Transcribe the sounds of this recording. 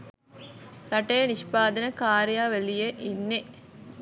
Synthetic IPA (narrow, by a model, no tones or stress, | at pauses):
ɾaʈejəniʃpaːd̪ənəkaːɾjaːʋelijeʔinːe